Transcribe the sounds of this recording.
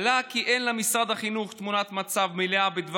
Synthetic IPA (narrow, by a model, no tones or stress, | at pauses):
lakiʔe̞nlamisʁad̪haχinuχt̪munat̪mat͡savmeleabed̪v